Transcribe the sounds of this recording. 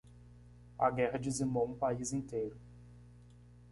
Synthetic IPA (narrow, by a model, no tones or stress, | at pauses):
ɐ̰ɡɛɦɐd͡ʒizimowũpaizĩnt̪ejɾʊ